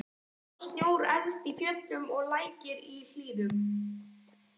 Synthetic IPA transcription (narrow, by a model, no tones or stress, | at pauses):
st̪joːwɾɛnst̪ifjœt̪ːʏmɔɣlaːjcɪɾil̥liːðʏm